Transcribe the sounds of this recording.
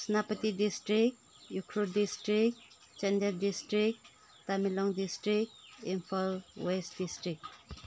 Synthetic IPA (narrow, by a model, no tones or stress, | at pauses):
sinapətidistɾik̚t | jukʰɾudistɾik̚ | t͡ʃendɛɾdistɾik̚t | tamilɔŋdistɾik̚t̚impʰalwestdistɾik̚